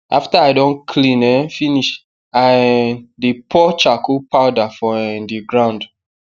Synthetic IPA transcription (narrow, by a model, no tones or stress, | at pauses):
ʔaftaaɪdõnkʰlĩnɛ̃finiʃ | a | dipʰɔt͡ʃakupaʊdafɔ̃ndiɡɹãʊ̃nd